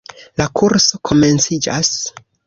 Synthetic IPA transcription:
lakʰuɾso̞kʰo̞me̞nt͡sid͡ʒas

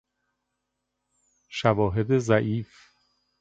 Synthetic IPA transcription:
ʃævɒːɦe̞d̪ezæʔiːf

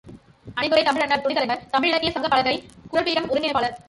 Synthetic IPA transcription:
ɐnɪkɯɾɐɪt̪ɐmɪɻɐnːɐɾt̪ʊnɪðɐlɐɪmɐɾt̪ɐmɪɻɪɽɐkːɪjɐsɐŋɡɐpːɐɭɐɣɐɪkʊɻɐɭpiːɾɐmʊɾɯŋɡɪnɐpaːɭɐɾ

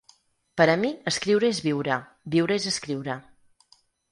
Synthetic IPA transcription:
pəɾəmiəskɾiwɾəezβiwɾə | biwɾəezəskɾiwɾə

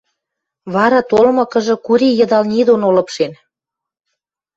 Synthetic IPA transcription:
βɑɾɑt̪olmɤ̆kɤ̆ʒɤ̆kuɾʲijə̆d̪ɑlnʲid̪onolɤ̆pʃen

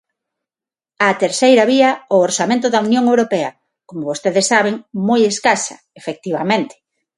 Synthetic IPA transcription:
at̪eɾsejɾɐβiɐooɾsamẽnt̪̬ʊðɐunjoŋewɾopɛɐ | komoβost̪eðesːaβ̞eŋmojeskasɐ̰ | efek̚t̪iβamẽnt̪ɪ̥

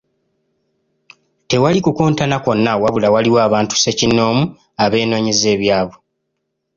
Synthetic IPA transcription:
te̞walikukoːntanako̞nːawaβulawaliwaːβaːntu̥se̞cinːo̞ːmu | aβe̞ːno̞ːɲize̞ːβjaːβe

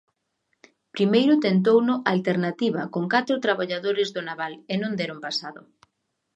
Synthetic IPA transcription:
pɾimejɾʊt̪ent̪̬ownʊʔalt̪eɾnat̪iβɐkoŋkat̪ɾʊt̪ɾaβaʎaðoɾɪzðʊnaβalenõnd̪ɛɾompasaðʊ̰

